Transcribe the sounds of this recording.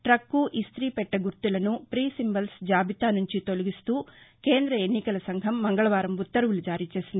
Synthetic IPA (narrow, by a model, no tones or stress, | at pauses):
ʈɾɐkːuʔist̪ɾiːpɛʈːɐɡuɾt̪ulɐnupɾiːsimbɐlsd͡ʒaːbʱit̪aːnuɲt͡ʃit̪o̞luɡist̪uːkeːnd̪ɾɐenːikɐlɐsɐŋɡʱɐmːɐŋɡɐɭɐʋaːɾɐmbut̪ːɐɾɐʋulud͡ʒaːɾiːt͡ʃe̞ːsind̪i